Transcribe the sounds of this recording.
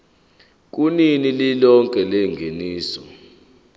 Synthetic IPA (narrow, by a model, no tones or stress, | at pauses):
k̬uninililɔŋkʼɛlɛŋɡʱeniːsɔ